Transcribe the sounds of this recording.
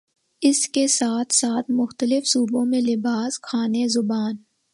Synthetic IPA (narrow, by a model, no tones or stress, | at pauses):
ɪskesaːt̪ʰsaːt̪ʰmʊxt̪əlɪfsuːbõmẽlɪbaːskʰaːnezʊbaːn